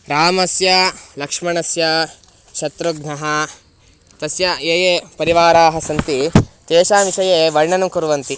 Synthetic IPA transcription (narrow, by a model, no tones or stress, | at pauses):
ɾaːmɐsjɐlɐkʂmɐɳɐsjɐ | t͡ʃʰɐt̪ɾuɡnɐɦɐ | t̪ɐsjɐeːjepɐɾiʋaːɾaːɦɐsɐnt̪it̪eːʃaːʋiʃɐjeːʋɐɾɳɐnɐmkuɾuʋɐnt̪i